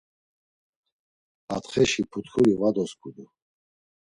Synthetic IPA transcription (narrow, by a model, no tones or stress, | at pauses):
at̪χɛʃipʰut̪kʰuɾivad̪ɔskʰʼud̪u